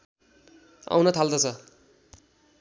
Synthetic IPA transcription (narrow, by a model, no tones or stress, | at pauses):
a̰wnʌt̪ʰald̪ʌt͡sʰʌ